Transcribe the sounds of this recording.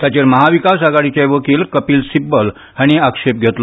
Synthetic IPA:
t̪jat͡ɕeɾməɦaʋikasaɡaɽit͡ɕjaʋəkiːlkəpiːlsibəl | haɽ̃iakʂep̚ɡʱet̪lo

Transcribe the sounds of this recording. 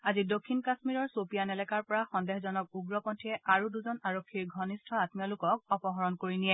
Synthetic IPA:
azidokʰːinkasmiɹɔɹsopijanɛlɛkaɹpɔɹaxɔndeɦzɔnɔk̚uɡɹɔpɔntʰiɛʔaɹuduzɔnaɹokʰːiɹɡʱɔnistʰɔatmijɔlʊkɔk̚ɔpɔɦɔɹɔnkoɹinijɛ

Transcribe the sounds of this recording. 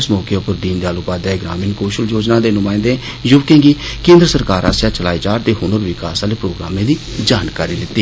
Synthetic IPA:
smoːkeʊpəɾd̪iːnd̪aːlupaːd̪aːeɡɾaːmĩːnkoːʃəljoːd͡ʒnãːd̪eːnʊmãːɪnd̪eː | jʊʋkẽːŋɡiːkẽːnd̪ɾəsəɾkaːɾa̰ːsjaːt͡ʃəlaːiːt͡ʃaːɾt̪eːɦʊnəɾʋɪkaːsaːleːpɾoːɡɾa̰ːmẽːd̪iː | d͡ʒaːnkaːɾiːd̪ɪt̪ːiː

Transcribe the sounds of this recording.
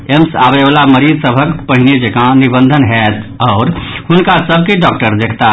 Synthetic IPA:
emsabeʋaːlaməɾid͡ʒsəbʱəkpəɦined͡ʒekãnibə̃nd̪ʱənɦɛt̪ɔːɾhʊnkasəbʱkiɖɔkʈəɾd̪ekʰt̪a

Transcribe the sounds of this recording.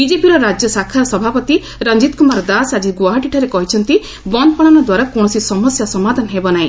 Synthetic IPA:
bid͡ʒepiɾɔɾad͡ʒjɔsakʰaɔsɔbʱapɔt̪i | ɾənd͡ʒit̪kumaɾɔd̪asad͡ʒiɡuaɦaʈiʈʰaɾekɔɦit͡ʃʰɔnt̪i | bɔnd̪ɔpɔɽ̃ɔnɔd̪waɾakɔɽ̃ɔsisɔmɔsjasɔmad̪ʱanɔɦebɔnaḭ̃

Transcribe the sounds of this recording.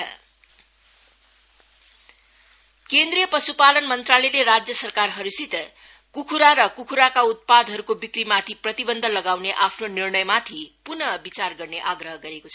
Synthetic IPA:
ʌ̰ | kend̪ɾijʌpʌsupalʌnmʌnt̪ralʌjleɾad͡zjʌsʌrkarɦʌɾusit̪ʌ | kukʰuɾaɾʌkukʰuɾakaut̪̚pad̪ʱɦʌɾukobikrimat̪ʰiprʌt̪ibʌnd̪ʱʌlʌɡawneʔapʰnonirɳʌjmat̪ʰipunʌbit͡sarɡʌrneʔaɡɾʌɦʌɡʌɾekot͡sʰʌ

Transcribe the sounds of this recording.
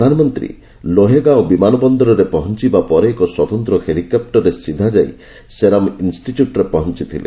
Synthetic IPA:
d̪ʱanɔmɔnt̪ɾḭ | loɦeɡaobimanɔbɔnd̪ɔɾɔɾepɔɦɔnt͡ʃibapɔɾeːkɔswɔt̪ɔnt̪ɾɔhelikap̚ʈɔɾesid̪ʱad͡ʒaj | seɾaminsʈiʈjuʈɾepɔɦɔnt͡ʃit̪ʰilḛ

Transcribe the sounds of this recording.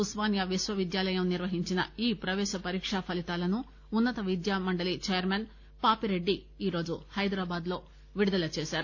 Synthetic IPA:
usʋaːnjɐʋisʋɐʋid̪jaːlɐjɐmniɾʋɐɦiɲt͡ʃinɐiːpɾɐʋɛːʃɐpɐɾiːkʂaːpʰɐlit̪aːlɐnuː | nːɐt̪ɐʋid̪jaːmɐɳɖɐlit͡ʃɛjɐɾmen | paːpiɾe̞ɖːi | iːɾo̞ːd͡ʒuhɐjd̪ɾaːbaːd̪lo̞ː | ʋiɽud̪ɐlɐt͡ʃɛːʃaːɾu

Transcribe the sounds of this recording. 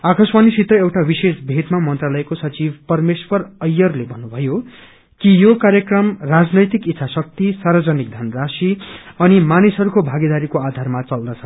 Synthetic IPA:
akʌswanisit̪ʌewʈabisesbʱeʈ̪mamʌnt̪ralʌjkosʌt͡sibʱpʌrmeswʌrʌjːʌrlebʱʌnːubʱʌjo | kijokaɾjʌkrʌmrad͡znʌjt̪ikit̪ːsʰasʌk̚t̪isarbʌd͡zʌnik̚d̪ʱanrasiʌnimanisʌɾukobʱaɡed̪aɾikoad̪ʱarmat͡sʌld̪ʌt͡sʰʌ

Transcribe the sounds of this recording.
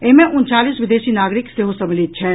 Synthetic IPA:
emẽʔʊnt͡ʃaːlisʋɪd̪eːsiːnaːɡɾɪkseɦosɐmɪlɪt̪̚t͡ʃʰɛ

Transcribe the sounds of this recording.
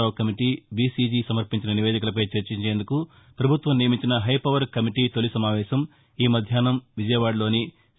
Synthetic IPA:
ɾoːkɐmiʈibiːsid͡ʒiːsɐmɐɾpiɲt͡ʃinɐniʋeːd̪ikulɐpɐjt͡ʃɐɾt͡ʃiɲt͡ʃe̞ːnd̪uku | pɾɐbʱut̪ʋɐmnːijɐmiɲt͡ʃinɐɦɐjpɐʋɐɾkɐmiʈiːt̪o̞lisɐmaːʋɛːʃɐm | iːmɐd̪ʱjaːnɐmʋid͡ʒɐjɐʋaːɽɐlo̞ːni

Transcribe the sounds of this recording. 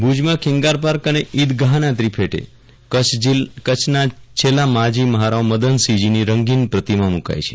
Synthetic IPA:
bʱud͡ʒmãkʰɪŋɡaɾpaɾkəneid̪ɡaɦanãt̪ɾipʰeʈḛ | kət͡ʃʰd͡ʒilkət͡ʃʰnat͡ʃʰelamad͡ʒiməɦaɾaʋməd̪ənsid͡ʒiniɾəŋɡinpɾət̪imãmuka̰jt͡ʃʰe̥

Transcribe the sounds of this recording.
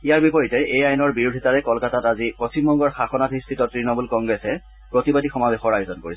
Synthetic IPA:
ijaɹbipɔɹitɛʔejajnɔɹbiɹudʱitaɹɛkɔlkatatazipɹost͡ɕimbɔŋɡɔɹxaxɔnatʰistʰitɔtːɹinɔbulkɔŋɡɹɛsɛ | pɹotibadixɔmabexɔɹajuzɔnkoɹisɛ

